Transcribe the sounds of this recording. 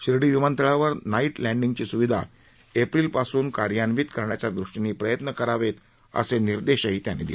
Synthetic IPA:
ɕɾiɽiʋiʋant̪eɭaʋəɾnaiʈlæɳɖiŋɡt͡ɕiːsuʋid̪ʱa̰ | epɾiːlpasuːnkaɾjanʋit̪kəɾɳjat͡ɕjad̪ɾuʂʈiniːpɾəjət̪nəkəɾaʋet̪ | ə̰seniɾd̪eɕaɦit̪janːḛd̪ḭl

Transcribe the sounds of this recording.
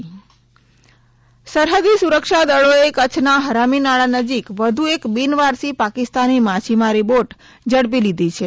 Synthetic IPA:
səɾɦəd̪isuɾəkʃad̪əɭoekət͡ʃʰnaɦəɾaminaɭanəd͡ʒikʋəd̪ʱuekbinʋaɾsipakist̪animat͡ʃʰimaɾiboʈ | d͡ʒəɽp̬ilid̪ʱit͡ʃʰe

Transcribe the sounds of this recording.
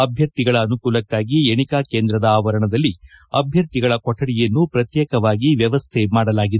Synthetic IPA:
ɐbʱjɐɾt̪iɡɐɭɐːnukuːlɐkːaːɡieɳikaːkeːnd̪ɾɐd̪ɐaːʋɐɾɐɳɐd̪ɐlːi | ɐ̰bʱjɐɾt̪iɡɐɭɐkɔʈʰːɐɽijenːupɾɐt̪jɛːkɐʋaːɡiʋjɐʋɐst̪ʰɛmaːɽɐlaːɡid̪

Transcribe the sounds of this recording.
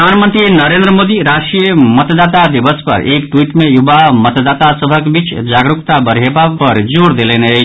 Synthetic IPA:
anmənt̪ɾinʌɾend̪ɾəmod̪iɾasʈɾijəmʌt̪d̪at̪ad̪ibəspʌ̰ɾekʈwiʈmejubamʌt̪d̪at̪asʌbʱʌkbit͡sd͡zaɡɾukt̪abəɾɦebapʌɾd͡zoɾd̪elene

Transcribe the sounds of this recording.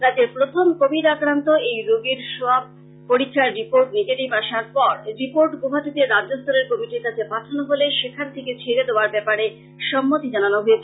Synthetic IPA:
ɾad̪eɾpɾot̪ʰomkobiɾakɾant̪oejɾoɡiɾʃoab̚ː | oɾikʰːaɾːipoɾʈneɡeʈibaʃaɾpɔɾɾipoɾʈɡobʱat̪it̪eɾːadːost̪oɾeɾkomiʈiɾkat͡ɕʰepaʈʰanoɦoleʃekʰaɾt̪ʰeket͡ɕʰeɾed̪eoaɾbɛpaɾe | ʃɔmːot̪id͡ʑananoɦoet͡ɕʰe

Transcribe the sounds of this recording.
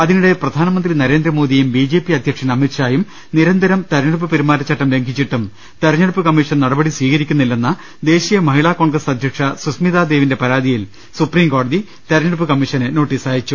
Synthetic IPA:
ɐðinuɽe̞prɐd̪ʱaːnɐmɐnd̪rinɐɾe̞ːnd̪rɐmoːðijumbiːd͡ʑe̞ːpːiɐd̪ʱjɐkʂɐnɐmirɕaːjum | niɾɐnd̪ʱɐɾɐmt̪ɐɾɲɐɽup̬ːɨpeɾumaːɾɐt͡ɕːɐʈːɐmle̞ŋɡʱit͡ɕːiʈːum | t̪ɐɾɐɲːɐɽupːɨkɐmːiʂɐnnɐɽɐbɐɽisʋiːɣɐɾikʲːunːilːe̞nːɐ | d̪e̞ːɕijɐmɐɦiɭaːko̞ːɳɡrɐsɐd̪ʱjɐkʂɐsusmiðaːd̪e̞ːʋinde̞pɐɾaːd̪ʱijil | supriːmko̞ːɽɐði | t̪ɐɾɲːɐɽupːɨkɐmːiʂɐnɨno̞ːʈːiːsaːjit͡ɕːu

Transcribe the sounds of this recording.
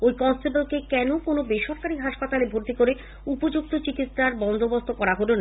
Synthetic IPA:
ojkɔnsʈebolkekɛnokonobeʃɔɾkaɾiɦaʃpat̪alebʱoɾt̪ikoɾe | upod͡ʑuk̚t̪ʰot͡ɕikit̪sɾaɾbɔnd̪ʱobost̪ʰokɔɾaɦoleon

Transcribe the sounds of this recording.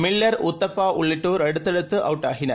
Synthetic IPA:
mɪɭːɐɾʊt̪ːɐpːaːʔʊɭːɪʈːoːɾɐɽɯt̪ːɐɽɯt̪ːɯʔɐʋʈːaːɣɪnɐ̰ɾ

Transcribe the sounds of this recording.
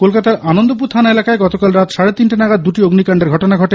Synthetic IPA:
kolkat̪aɾʔanond̪op̬uɾt̪ʰanaelakaeɡɔt̪okalɾat̪ʃaɽet̪inʈinaɡad̪̚d̪uʈioɡnikaɳɖeɾɡʱɔʈonaɡʱɔʈe

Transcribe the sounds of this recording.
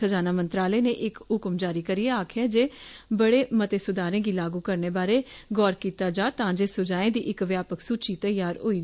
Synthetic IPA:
əd͡ʒaːnaːmənt̪ɾaːləːneːʔɪkɦʊkmd͡ʒaːɾiːkəɾiːeːaːkʰaːd͡ʒeːbəɽeːmət̪eːsʊd̪aːɾẽːɡiːlaːɡuːkəɾneːbaːɾeːɡɔːɾkiːt̪aːd͡ʒaːt̪ãːd͡ʒeːsʊd͡ʒaːẽːd̪iːʔɪkʋjaːpəksuːt͡ʃiːt̪əɪjaːɾɦoːiː

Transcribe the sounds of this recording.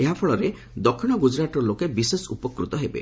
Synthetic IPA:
eɦapʰɔɭɔɾe | d̪ɔkʰːiɽ̃ɔɡud͡ʒɾat̪ɔlokebisesupɔkɾut̪ɔɦebḛ

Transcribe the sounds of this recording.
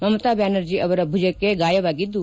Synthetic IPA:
mɐmt̪abɛːnəɾd͡ʒiːɐʋɐɾɐbʱʊd͡ʒəkeɡaːjɐʋaːɡid̪u

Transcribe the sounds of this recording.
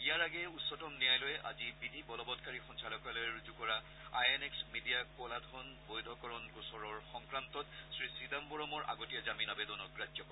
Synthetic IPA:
ijaɹaɡɛutsɔtɔmnijajlɔjɛʔa̰zibidʱibɔlɔbɔtkaɹixɔnsalɔkalɛɹuzukɔɹa | ajɛneksmidijakɔladʰʱɔnbojdʱɔkɔɹɔnkusɔɹɔɹxɔŋkɹantɔtsɹisidambɔɹɔmɔɹʔa̰ɡotijazaminabedɔnɔk̚ɡɹad͡ʒɔkɔ

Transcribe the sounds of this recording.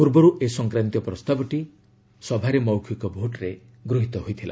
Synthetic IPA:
puɾbɔɾuʔesɔŋkɾant̪jɔpɾɔst̪abɔʈi | sɔbʱaɾemɔwkʰikɔbʱoʈɾe | ɡɾoɦit̪ɔɦojt̪ʰila̰

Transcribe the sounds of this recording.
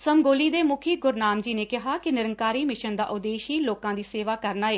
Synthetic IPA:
səmɡoːliːd̪eːmʊkʰiːɡʊɾnaːmd͡ʒiːneːkɪɦaːkɪnɪɾəŋkaːɾiːmɪʃənd̪a̰ːʔʊd̪eːʃiːloːkãːd̪iːseːʋaːkəɾnaːeː

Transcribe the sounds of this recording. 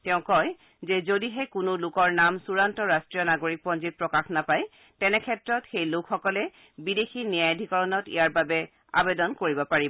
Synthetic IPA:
tɛʊ̃kɔj | zɛzodiɦɛkʊnʊlʊkɔɹnamsuɹantɔɹastɹijɔnaɡoɹik̚pɔnzit̚pɹɔkaxnapaj | tɛnɛkʰɛtɹɔtxejlʊkʰxɔkɔlɛ | bidexinijajdʱikɔɹɔnɔtḭjaɹbabɛ | a̰bedɔnkoɹibɔpaɹibɔ

